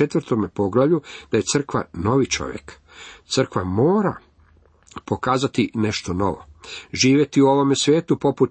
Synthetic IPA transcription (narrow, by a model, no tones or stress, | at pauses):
et̪ʋrt̪omepo̞ɡlaʋʎud̪̥aje̞t̪sr̩kʋa̰no̞ʋit͡ʃo̞̰ʋjḛk | t̪sɨr̩kʋamo̞ːɾa̰ | po̞kaːzat̪ine̞ʃt̪ono̞̰ʋo̞̰ʒiːʋje̞t̪iuo̞ʋo̞mesʋʲje̞ːt̪upo̞put̪